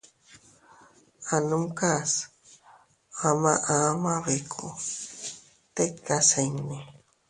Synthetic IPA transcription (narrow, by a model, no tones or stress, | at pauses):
anumkas | amaʔamaβekʰo | t̪ekaseŋni